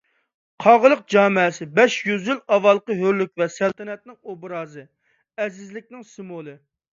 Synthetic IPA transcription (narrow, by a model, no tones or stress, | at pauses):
qʰɑʁəlˠəq̚d͡ʒɑːmɨsɪbɛʃjyzylɑvɑlˠqəɦøɾlyk̚ʲvɛsælt̪ʰɛnɛt̪̚nɪŋobɾɑːzɨ | ɛzɪzlɪk̚ʲnɪŋsɨmolˠɨ